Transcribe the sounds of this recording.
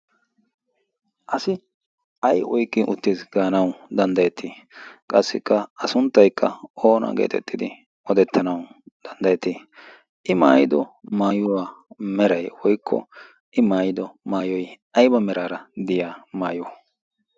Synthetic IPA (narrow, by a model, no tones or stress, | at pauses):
ʔɐsɪ | ʔɐjʔɔjkʼːɪʔʊt̪ːiːsɡaːnɐwd̪ɐnd̪ɐjɛt̪ʰːiːkʼɐsːɪkːɐɐsʊnt̪ːɐjkːɐo̞ːnɐ̰ɡḛːt̪ʰɛ̰t̪ʼːɪd̪ɪ | ɔd̪ɛt̪ːɐnɐwd̪̥ɐnd̪ɐjɛt̪ːi | ʔɪma̰ːjɪd̪ɔmaːjʊwaːmɛɾɐjwɔjkʰːɔ̰ | ʔɪmaːjɪd̪ɔmaːjɔj | ɐjbɐmɛɾaːɾɐd̪ɪjaːmaːjɔ